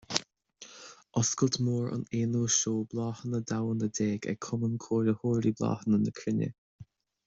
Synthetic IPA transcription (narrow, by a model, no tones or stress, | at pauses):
ʔɔskəlt̪moːɹə̰neːnuːʃoːblɑːhənəd̪awənəd̪eːɡɛ̰kʰʊmənkʰoːɾəhoːɾiblɑ̰ːhənənəkʰɾɪnə̰